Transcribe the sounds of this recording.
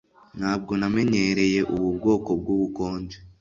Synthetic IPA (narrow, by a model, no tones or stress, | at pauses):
n̥haːb̚ɡo̞name̞ɲe̞ɾe̞je̞ʔuβub̚ɡo̞ːko̞b̚ɡuːβukoːɲd͡ʒe